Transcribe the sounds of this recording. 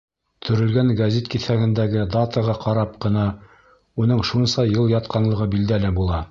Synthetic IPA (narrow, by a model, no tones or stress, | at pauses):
t̪ʰɵ̆ɾɵ̆lɡæŋɡæzʲit̪kiθæɡɘ̆nd̪æɡɘd̪ɑt̪əʁɑqɑɾɑpqɤ̆nɑ | unɤɴʃunsɑjɤlˠjɑt̪qɑnlˠɤ̆ʁɤbild̪ælɘbulˠɑ